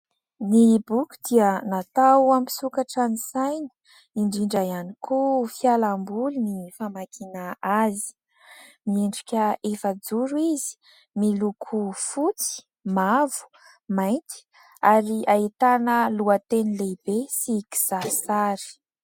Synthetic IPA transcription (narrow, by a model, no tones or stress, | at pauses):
nibukʲu̥d̪iənat̪awampi̥sukaʈ͡ʂanisajni̥ | iɳɖ͡ʐiɳɖ͡ʐajanikʰufjalambulunifamakʰinaazi̥ | mieɳɖ͡ʐikʲəefəd͡zuɾuizi̥ | milukʰufut͡si̥ | mavu̥ | majnt̪i̥ | aɾiʔait̪anəluat̪enilebesiki̥z̥asaɾi̥